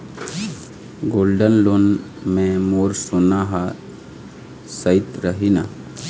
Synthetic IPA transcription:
ɡoːlɖənloːnmẽmoːɾsʊnaɦa | səɪt̪ɾəɦina

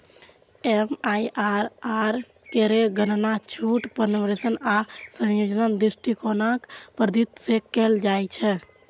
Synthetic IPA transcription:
emajʔaɾaɾ | keɾeɡənnat͡ʃʰuʈpənʋɾesənasə̃jod͡ʒnənd̪ɾisʈʰikonakpɾəd̪it̪sekɛld͡ʒajt͡ʃʰɛ

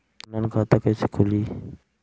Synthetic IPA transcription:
lənkʰãːt̪əkəiːsikʰʊliː

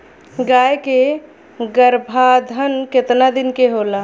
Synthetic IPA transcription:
ɡajke | ɡəɾbʱad̪ʱənket̪nad̪inkeɦola

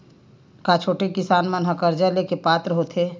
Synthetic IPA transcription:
kat͡ʃʰoːʈekɪsaːnmanɦəkəɾd͡ʒalekepaːt̪ɾəɦoːt̪ʰeː

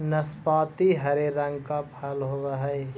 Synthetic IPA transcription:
nəspaːt̪iɦɐɾeɾə̃ŋɡkapʰəlɦoːɡaɦɛ

